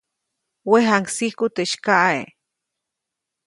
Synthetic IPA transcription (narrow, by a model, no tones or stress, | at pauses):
weɦaŋksihkut̪eʃkaʔae